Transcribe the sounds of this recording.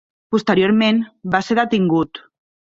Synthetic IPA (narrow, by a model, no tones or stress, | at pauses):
pust̪əɾioɾmenbaseɾət̪iŋɡut̪